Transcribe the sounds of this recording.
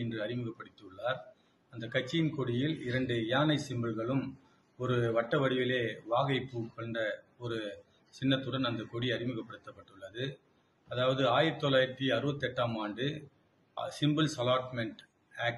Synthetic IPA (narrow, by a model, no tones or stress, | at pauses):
ɛndrɯɐɾɪmɯɣɐpːɐɽɯt̪ːɯɯɭːaːɾ | ɐnd̪ɐkɐt͡ʃːɪjɪnkɔɽɪjɪlɪɾɐɳɖɯɪjaːnɐɪsɪmbɐlɣɐɭɯm | ɔɾɯʋɐʈːɐʋɐɽɪʋɪleːʋaːɣɐɪpːukɔɳɖɐɔɾɯ | sɪnːɐt̪ːɯɽɐnɐnd̪ɐkɔɽiɐɾɪmɯɣɐpːɐɽɯt̪ːɐpːɐʈːɯɭːɐðɯ | ɐðaːʋɐðɯaːjɪɾt̪ːɔlaːjɪɾt̪ːiɐɾɯbɐt̪ːɛʈːaːmaːɳɖɯ | sɪmbɯlsɐlaːʈmɛɳʈ | aːk